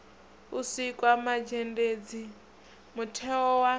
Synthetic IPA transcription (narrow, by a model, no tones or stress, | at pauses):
usikʼwamad͡ʒended͡zi | mutʰɛɔwa